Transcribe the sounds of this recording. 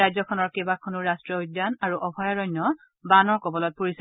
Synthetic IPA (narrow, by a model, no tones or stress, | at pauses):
ajzɔkʰɔnɔɹkebakʰɔnuɹastɹɔujdjanaɹuʔɔbʱajɔɹɔjnːɔ | banɔɹkɔbɔlɔt̚poɹis